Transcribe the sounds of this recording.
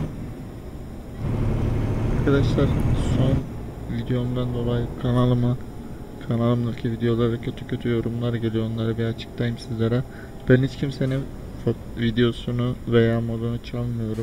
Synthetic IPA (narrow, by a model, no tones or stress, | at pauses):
aɾkʰad̪aʃlˠaɾso̞n | vid̪ejo̞md̪and̪o̞lˠajɯkʰanalˠɯma | kʰanalˠɯmølʲcʰivid̪ejo̞lˠaɾd̪acʰø̞t̪ʰycʰø̞t̪ʰyjo̞ɾumlˠaɾɟelʲijonlˠaɾɯbiat͡ʃʰɯ̥kt̪ʰajɯmsizlʲaɾa | b̥ænhit͡ʃcʰimse̞ni | fo | vid̪ejo̞sunuve̞jaːmo̞d̪unut͡ʃʰalˠmɯjo̞ɾum